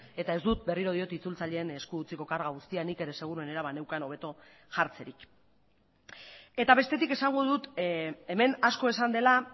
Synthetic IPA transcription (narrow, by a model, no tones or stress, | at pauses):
e̞t̪ae̞zd̪ut̪̚be̞riɾo̞ð̞io̞t̪it͡sult͡saʎe̞ːne̞skuut͡siko̞kaɾɣaɣ̞ust̪ianike̞ɾe̞se̞ɣ̞uɾue̞ne̞ɾaβanewkano̞β̞e̞t̪o | ʝaɾt͡se̞ɾik | e̞t̪aβe̞st̪e̞t̪ike̞saŋɡo̞ðut̪eme̞nasko̞e̞sand̪e̞la